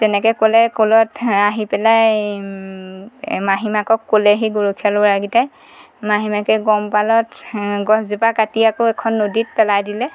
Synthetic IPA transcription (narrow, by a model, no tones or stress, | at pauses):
tɛnɛkɔkolɛkolɔtaɦipɛlaj | maɦimakɔkːolɛɦiɡuɹukʰialbɔɹaɡita | maɦimakɛɡɔmpalɔtɡɔzupakatiakoɛkʰɔnːodit̚pɛlajdilɛ